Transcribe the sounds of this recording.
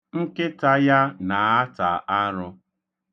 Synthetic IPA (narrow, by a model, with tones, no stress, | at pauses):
ŋ̩˦kɪ˦ta˦ja˦na˨a˦ta˨a˦ɾʊ˦